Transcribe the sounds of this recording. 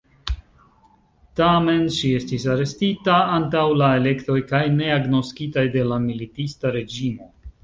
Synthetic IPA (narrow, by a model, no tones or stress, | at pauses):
tame̞nʃie̞stisaɾe̞stitaantawlae̞le̞kto̞jkajne̞aɡno̞skitajde̞lamilitistaɾe̞d͡ʒimo̞